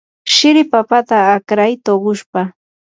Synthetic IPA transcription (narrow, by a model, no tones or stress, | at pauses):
ʃɪɾɪpapat̪aːkɾajt̪oɢʊʃpa